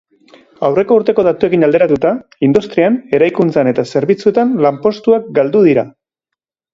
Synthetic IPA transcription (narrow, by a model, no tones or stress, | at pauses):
awre̞ko̞uɾt̪e̞ko̞ð̞at̪ue̞kinald̪e̞ɾat̪ut̪aind̪ust̪ɾiane̞ɾajkunt͡sane̞t̪ase̞ɾβit͡sue̞t̪anlampo̞st̪uak̚ɡald̪uð̞iɾa